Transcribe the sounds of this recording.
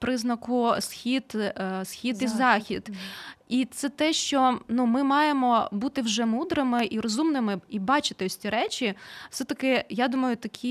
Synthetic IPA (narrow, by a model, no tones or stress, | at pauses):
pɾɪznɐkʊsxʲid̪sxʲid̪izɑxʲid̪it̪sɛt̪ɛʃt͡ʃɔnumɪmɑjemɔbut̪ɪwʒɛmud̪ɾɪmɪʔiɾɔzumnɪmɪibɑt͡ʃɪ̥t̪ɪɔsʲtʲiɾɛt͡ʃʲifsɛt̪ɐkɪjad̪umɐjʊt̪ɐkʲʰi